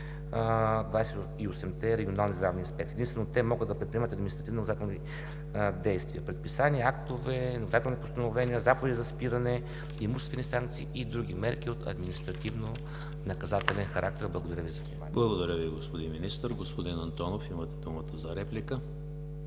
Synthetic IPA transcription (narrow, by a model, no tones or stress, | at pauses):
d̪vajsɛ | iosɛmt̪ɛɾɛɡʲionalˠnizd̪ɾavnʲiɐspɛk̚t̪ɛd̪inst̪vɛnot̪ɛmɔɡəd̪d̪ɐpɾɛt̪pɾiɛmɐət̪ɐd̪mʲinst̪ɾɐt̪ivnonɐkɐzat̪ɛlni | d̪ɛjst̪viəpɾɛt̪̚pisaniəakt̪ovɛnokɐzat̪ɛlˠnipost̪ɐnovɛnʲiəzapovɛd̪izɐspiɾɐnɛ | imuʃt̪ɛst̪vɛnisaŋk̚t̪sḭːʔid̪ɾuɡ̟ʲimɛɾk̟ʲiot̪ʰɐ̰d̪minist̪ɾɐt̪ivno | nɐkɐzat̪ɛlɛnxɐɾak̚t̪ɛɾblˠɐɡod̪ɐɾʲəvizɐvnʲimanblˠɐɡod̪ɐɾʲəviɡospod̪inminist̪əɾɡospod̪inɐnt̪ɔnofimət̪ɛd̪umət̪əzɐɾɛplikə